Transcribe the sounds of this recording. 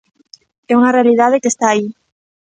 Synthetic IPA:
ɛuŋɐrealiðaðekest̪aːi

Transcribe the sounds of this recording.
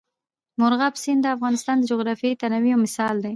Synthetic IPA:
mʊɾɣɑpsind̪əafɣɑnɪst̪ɑnd̪əd͡ʒoɣɾɑfejt̪anawiawmɪsɑld̪e

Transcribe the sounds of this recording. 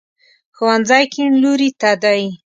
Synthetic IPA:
xuwanzajkʰiɳluɾit̪ɑd̪ɑji

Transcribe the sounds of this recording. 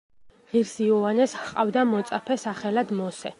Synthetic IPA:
ʁiɾsiɔanɛsqʼavd̪amɔt̪sʼapʰɛsaχɛlad̪mɔsɛ

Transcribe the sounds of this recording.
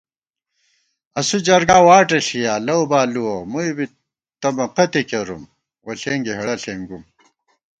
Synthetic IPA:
ɐsud͡ʑɐɾɡaːwaːʈɐɬijaːlɐwbaːluwomuibi | t̪ɐmɐqɐt̪ikɐɾum | wɐɬeːŋɡiɦɐɐɬeːŋɡum

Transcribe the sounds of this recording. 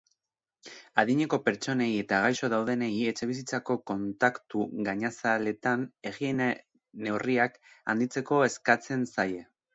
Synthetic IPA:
aðiɲe̞ko̞pe̞ɾt͡so̞ne̞ie̞t̪aɣ̞ajʃo̞ðawðe̞ne̞ie̞t͡ʃe̞β̞is̬it͡sako̞ko̞nt̪akt̪uɣaɲasale̞t̪ane̞ɣien | ne̞wriaka̰nd̪it͡se̞ko̞e̞skat͡se̞nsaje̞

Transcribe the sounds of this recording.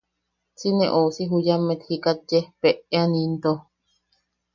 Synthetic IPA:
t͡sinḛ̃ʔosiɦujamet̪hikat̪̚jepeʔeanint̪o

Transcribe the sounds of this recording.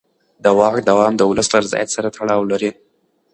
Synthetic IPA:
d̪əwɑkd̪awɑmd̪əwʊləslaɾɪzɑ̰ja̰t̪saɾat̪ʰaɽɑwlaɾi

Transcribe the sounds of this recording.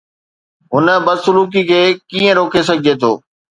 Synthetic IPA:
ɦʊnəbɐsʊluːk̬ikʰeːkiːə̃ɾoːkʰes̬ɐɡʱɪd͡ʑet̪ʰo̰ː

